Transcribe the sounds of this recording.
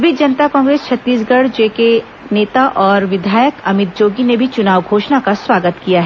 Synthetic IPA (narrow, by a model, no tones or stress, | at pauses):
bʱid͡ʒɐnt̪akɔ̃ːŋɡɾeːst͡ʃʰɐt̪ːiːs̬ɡɐɽ̤d͡ʒeːke | neːt̪aʔɔːɾʋɪd̪ʱaːjəkɐmɪt̪̚d͡ʒoːɡinebʱit͡ʃʊnaːʋɡʱoːʃnakaswaːɡət̪kijaɦɛ